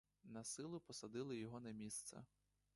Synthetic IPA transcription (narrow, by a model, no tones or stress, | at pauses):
nɐsɪlˠʊpɔsɐd̪ɪlˠɪjɔɦɔnɐmʲist̪sɐ̰